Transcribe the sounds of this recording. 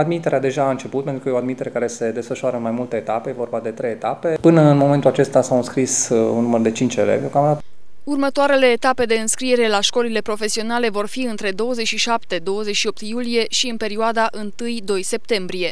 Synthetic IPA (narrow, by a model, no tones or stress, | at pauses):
ad̪mit̪e̞ɾead̪e̞ʒaːɨnt͡ʃe̞put̪̚penɾukəjeoad̪mit̪e̞ɾe̞kaɾe̞se̞d̪e̞sfəʃaɾəɨnmajmult̪eet̪apejevo̞rbad̪e̞t̪ɾejet̪ape̞pɨnəɨnmo̞ment̪ulat͡ʃe̞st̪asawɨnskɾisunːumərd̪e̞t͡ʃint͡ʃḛlḛvokamd̪at̪urmət̪oaɾe̞le̞ːt̪ape̞d̪e̞ɨnskɾie̞ɾe̞laʃko̞lile̞pɾo̞fe̞sio̞nale̞vo̞rfiɨnt̪ɾe̞d̪o̞wəzet͡ʃʲʃiʃapt̪e̞d̪o̞wəzet͡ʃʃio̞p̚t̪julije̞ʃiɨnpe̞ɾioad̪aʔɨnt̪ɨjd̪o̞jse̞p̚t̪e̞mbɾije̞